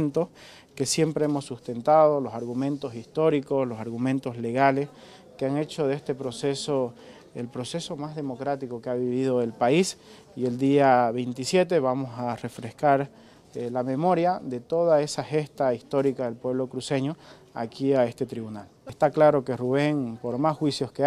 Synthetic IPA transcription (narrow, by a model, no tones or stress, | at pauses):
nt̪os | ke̞sje̞mpɾeemo̞sːust̪e̞nt̪aðo̞lo̞saɾɣumẽ̞nt̪o̞sist̪o̞ɾikoslo̞saɾɣumẽ̞nt̪o̞sle̞ɣale̞s | keaŋe̞t͡ʃo̞ðest̪e̞pɾo̞se̞so | ḛlpɾo̞se̞so̞mazðe̞mo̞kɾat̪ikokeaβiβið̞oelpais | ie̞ld̪iaβe̞jnt̪isje̞t̪̬e̞βamo̞sare̞fɾe̞skaɾ | lame̞mo̞ɾjaðe̞t̪o̞ðae̞saxe̞st̪aist̪o̞ɾikaðe̞lpwe̞βlo̞kɾuse̞ɲo̞ | akiae̞st̪e̞t̪ɾiβunalest̪aklaɾo̞keruβ̞e̞ŋpo̞ɾmasxwisjo̞ske